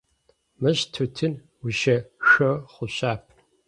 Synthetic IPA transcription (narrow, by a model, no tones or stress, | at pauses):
mɨɕtʰutʰɨn | wʊʃɐxɐχʷʊɕaːp̚ʰ